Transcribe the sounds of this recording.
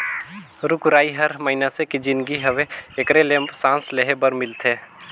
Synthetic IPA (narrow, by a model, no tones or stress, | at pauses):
ɾʊkɾaːiɦɐɾmɐɦinasekid͡ʒɪnɡiɦɐʋeekɾelempsãːnsleɦebəɾmɪlt̪ʰeː